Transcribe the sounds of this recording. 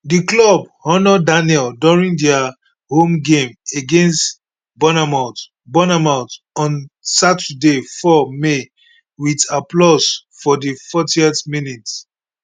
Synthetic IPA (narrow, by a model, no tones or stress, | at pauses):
diklɔbhɔnɔdanjɛlduɹĩŋdɛa | hõmɡẽmeɡẽnst | bɔnamãt | bɔnamãʊ̃t | ɔ̃nsatədefɔme | widaplɔsfɔdifɔtiɛtminit